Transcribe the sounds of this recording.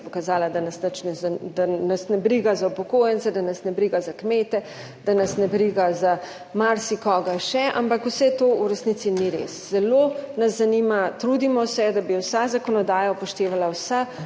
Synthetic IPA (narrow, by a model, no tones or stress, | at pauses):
pɔkazaːlad̪anɐsnɐt͡ʃnɛzd̪anasnɛbɾiɡazaupɔkoːjənt̪sɛd̪anɐsnɛbɾiɡazakmeːt̪ɛ | d̪̥anɐsnɛbɾiːɡaza | maɾsikɔːɡaʃɛʔa̰mpakusɛt̪oːuɾɛsnit̪siniɾḛsz̥ɛlonɐzːanimat̪ɾuːd̪imɔsɛd̪abiwsazakɔnɔd̪aːjapɔʃt̪eːʋalawsa